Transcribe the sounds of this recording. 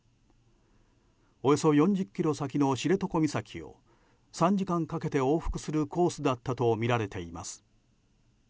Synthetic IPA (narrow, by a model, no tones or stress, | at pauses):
o̞joso̞jõ̞ɲd͡ʑɨkʲːiɾo̞sak̬ʲino̞ɕiɾe̞t̪o̞ko̞mʲisakʲʰio̞̰ | sãɲ̟d͡ʑikãŋkake̞t̪e̞o̞ːɸɯ̥kɯ̟̥sɨɾɯ̟kʰo̞ːsɨd̪at̪ːat̪o̞mʲiɾaɾe̞t̪e̞ima̰sɨ̥